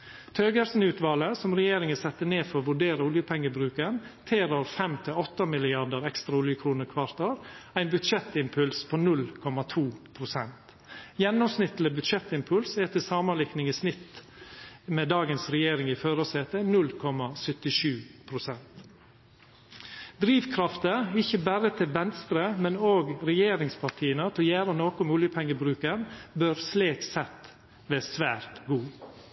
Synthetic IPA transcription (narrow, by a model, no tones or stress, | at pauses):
t̪ʰøːɡæɾsn̩ʉːt̪ʋɑːləsɔmɾɛjeːɾɪŋəsɛt̪ːəneːfɔɾɔʋʉɖeːɾəʊljəpʰɛŋːəbɾʉːkənt̪ʰeːɾɔɾfɛmt̪ʰɪlɔt̪ːəmɪlɪɑɖəɾɛkst̪ɾɑʊljəkʰɾuːnəɾkʰʋɑɾt̪əɾæɪnbʉt̪ʃɛt̪ɪmpʰʉlspʰoːnʉlkʰɔmɑt̪ʰuːpʰɾʊsɛnt̪ | jɛnːɔmsnɪt̪ləbʉt̪ʃɛt̪ːɪmpʰʉlsɛt̪ʰːɪsɑːmɑnlɪknɪŋɪsnɪt̪ː | mɛːd̪ɑːɡənsɾɛjeːɾɪŋɪføːɾoseːt̪ənʉlkʰɔmːɑsœt̪ɪʂʉːpʰɾʊsɛnt̪ | d̪ɾiːʋkʰɾɑft̪əɪçːəbæɾət̪ʰɪlʋɛnst̪ɾəmɛnoːɡɾɛjeːɾɪŋspʰɑʈʰiːənət̪ʰɪljæːɾənoːkʊmʉljəpʰɛŋːəbɾʉːkənbøɾsleːksɛt̪ | ʋeːsʋæːɾt̪ɡuː